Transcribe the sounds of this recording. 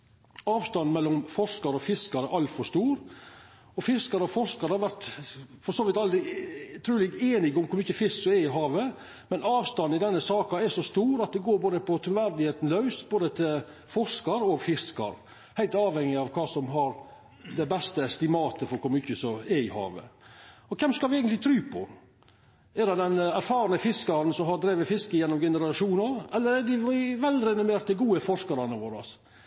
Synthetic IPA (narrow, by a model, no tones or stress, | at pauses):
ɑːʋst̪ɑnmɛlːɔmfɔʂkɑɾɔfɪskɑɾɛʔɑlt̪fɔɾʂt̪uːɾ | ɔfɪskɑɾɔfɔʂkɑɾəhɑɾʋæɾt̪fɔsoːʋɪt̪ɑld̪ɾɪt̪ʰɾʉːlɪɡeːnɪɡʊmkʰʊɾmʏçəfɪsksɔɛɪɦɑːʋə | mɛnɑːʋst̪ɑnɪd̪ɛnːəsɑːkɑɛʂɔst̪uːɾɑt̪̚d̪ɛɡoːɾboːd̪əpʰɔt̪ʰɾʊʋæɾd̪ɪheːt̪n̩lɑʉsboːd̪ət̪ʰɪlfɔʂkɑɾɔfɪskɑ̰ɾ | hæɪlt̪ɑːʋhɛŋːɪɑʋkʰɑːsɔmɦɑɾ | d̪ɛbɛst̪əɛst̪ɪmɑːt̪əfɔɾkʊɾmʏçəsɔɛɪhɑ̰ːʋə̰ɔkʰɛmskɑlʋɪæɪənt̪lɪt̪ʰɾʉːpʰɔ̰ | ɛɖɛd̪ɛnæɾfɑːɾɑnəfɪskɑɾn̩sɔmɦɑɾd̪ɾeːʋəfɪskəjɛnːɔmɡɛnəɾɑʂuːnɑɾɛlːəɾɛɖ̪ɪʋɪʋɛlɾɛnʊmeːɾʈ̪̚d̪ɪɡuːəfɔʂkɑɾɑnəʋoːɾɑ̰s